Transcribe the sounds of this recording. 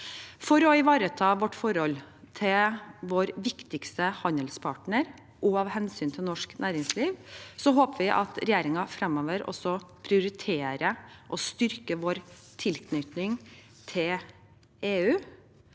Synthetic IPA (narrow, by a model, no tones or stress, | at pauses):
fɔɾɔɪʋɑːɾət̪ʰɑːʋɔʈːfɔɾhɔlːt̪ʰɪlʋoːɾʋɪkt̪ɪkst̪əhɑnd̪əlspʰɑʈɳəɾ | ʔɔɑʋhɛnsyːnt̪ʰɪlnɔʂknʔæːɾɪŋsliːʋsɔɦoːpəʋɪʔɑ̰t̪ɾɛjeːɾɪŋɑfɾɛmɔʋəɾɔ̰sɔpʰɾɪʊɾɪt̪ʰeːɾəʔɔst̪ʏɾkəʋoːɾ | t̪ʰɪlkʰnʏt̪nɪŋ | t̪ʰɪl | eːʉː